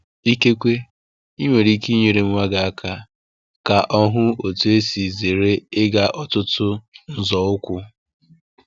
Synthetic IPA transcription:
i˦ke˦kʷe˦ | i˦ŋʷe˨ɾi˦ki˦ɲe˨ɾe˨m̩˦ŋʷa˦ɡa˨a˦kʰa˦ | ka˨ʔɔ˦ɦʊ˦o˨tu˦e˦si˨ze˨ɾe˦ɪ˦ɡa˨ʔɔ˨tʊ˦tʰʊ˦n̩˨zɔ˨ʊ˦kʷʊ˦

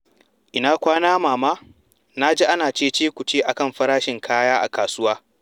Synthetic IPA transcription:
ʔɪ˨naː˦kʷaː˦naː˦maː˨maː˦ | na˦d͡ʒe˦ʔa˦naː˨t͡ʃeː˦˨t͡ʃeː˦kʷu˨t͡ʃeː˦ʔa˨kɐ˦˨mɸɐ˦ɾaː˦ʃɪ˨ŋkʰaː˦jaː˦ʔa̰˨kaː˨sʊ˦waː˦

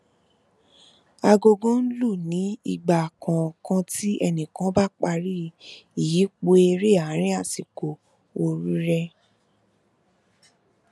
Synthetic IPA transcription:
a˧ɡo˧ɡõ˦n̩˦lu˦˨nĩ˨˦i˦˨ɡ͡ba˨kʰã˨kã˧ti˦ʔɛ˧nĩ˨kã˨˦ba˦k͡pa˧ɾi˦i˨ji˨˦k͡po˧e˧ɾe˦˨a˨˦ɾ̃ĩ˦a˦˨si˨ko˨ | o˧ɾu˦ɾɛ˧

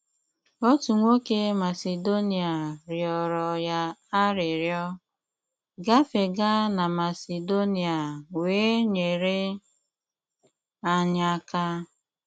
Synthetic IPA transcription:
o˦tu˨ŋʷo˦ke˦ma˨se˨do˦ni˨a˨ɾjɔ˨ɾɔ˨ja˦a˦ɾɪ˨ɾjɔ˦ | ɡa˦fe˨ɡa˦na˨ma˨se˨do˦ni˨a˨weː˨˦ɲe˨ɾe˦ | a˨ɲa˦ka˦

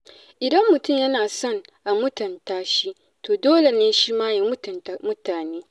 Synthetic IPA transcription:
ʔɪ˨dɐ˦mːʊ˨tʊ˦˨mjɐ˦naː˨sɔ˦˨ŋʔa˨mʊ˦tɐ˨ntaː˦ʃi˦ | toː˨doː˦le˨neː˦ʃi˦maː˦ji˦m˦˨n˨mʊ˦taː˨neː˦

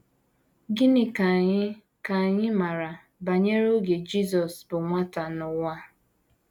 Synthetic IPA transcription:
ɡi˦nɪ˦ka˨ɲɪ˦ | ka˨ɲɪ˦ma˨ɾa˨ | ba˨ɲe˦ɾo˦ɡe˨d͡ʒi˦zɔ˨sbʊ˨ŋʷa˦ta˨nʊ˨ŋʷa˦

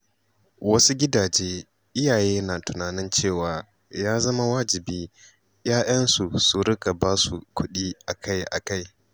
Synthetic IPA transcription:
wɐ˦su˦ɡʲɪ˦daː˨d͡ʒeː˦ | ʔɪ˦jaː˨jeː˦naː˨tʊ˨naː˨nɪ˦nt͡ʃeː˦˨waː˨ | jaː˦zɐ˦ma˦waː˦d͡ʒɪ˨biː˦ | jaː˦ʔɐ˦nsu˨su˦ɾɪ˦ka˨baː˦su˨kʷʊ˦ɗiː˦ʔa˨kʰa˦jʔa̰˨ka˦j

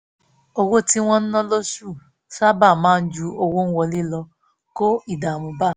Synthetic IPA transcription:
o˧wo˦ti˦w̃ɔ̃˦n̩˦nɔ̃˦lo˦ʃu˦˨ | sa˦ba˦˨mãː˨˦˧n̩˦d͡ʒu˧o˧wo˦n̩˦wɔ˧le˦lɔ˧ | ko˦i˦˨da˨mũ˧ba˦˨

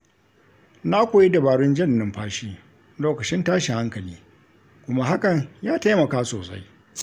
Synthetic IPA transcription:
na˦kʷoː˨ji˦da˨baː˨ɽʊ˦nd͡ʒɪ˦˨nːɪ˨˦mɸaː˦ʃiː˦ | loː˦kɐ˨t͡ʃɪ˦ntaː˦ʃi˨ha˦ŋkɐ˨liː˦ | kʷʊ˦ma˦ɦa˦kɐ˨ɲjaː˦ta˦jmɐ˨kaː˦soː˨sa̰˦j

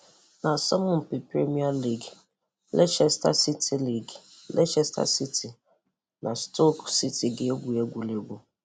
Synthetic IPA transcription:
na˨sa˦mʊ̃˦m̩˨pi˨pɾe˦mi˦a˦li˦˨ɡ | lḛ˦ʃɛ˦sta̰˦si˦tʰi˦li˦˨ɡ | lḛ˦ʃɛ˦sta̰˦˨si˦ti˨ | nʔa˨sto˦ksi˦ti˨ɡɪ˦e˦ɡʷu˨e˦ɡʷu˨le˦ɡʷu˨

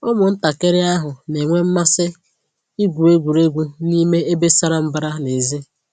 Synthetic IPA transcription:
ʊ˦mʊ˨n̩˦ta˨ke˦ɾɪ˦a˦ɦʊ˨ne˨ŋʷe˦m̩˦ma˦sɪ˦ | i˦ɡʷu˨e˦ɡʷu˨ɾe˦ɡʷu˦ni˦me˦e˦be˦sa˦ɾa˦m̩˦ba˦ɾa˦le˨zi˦

